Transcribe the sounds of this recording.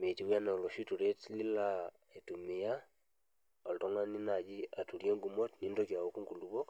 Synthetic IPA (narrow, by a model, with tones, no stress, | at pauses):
me˨ti˨˦wja˦ne˨o˨lo˨ʃi˦tu˨ɾe˦tli˦la˨ | e˨tu˨me˨ja˦ | o˨lto˦ŋa˦ni˦na˨d͡ʒi˦a˨tu˨ɾje˦ŋɡu˨mo˦tni˦ndo˦kja˨o˦ku˦ŋɡu˨lu˦βo˦k